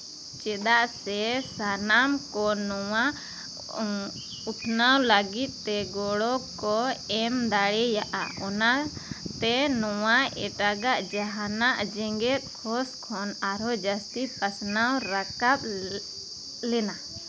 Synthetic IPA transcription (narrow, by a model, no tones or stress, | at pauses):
t͡ʃɛd̪aʔsɛsanamkɔnɔwa | ut̪ʰnawləɡit̪̚ˀt̪ɛɡɔɽɔkɔɛmd̪aɽɛjaʔa̰ɔnat̪ɛnɔwaɛ̰ʈaɡaʔd͡ʒaɦanaʔd͡ʒɛŋɡɛt̪̚ˀkʰɔskʰɔnaɾɔd͡ʒast̪ipasnawɾakap̚ | lɛna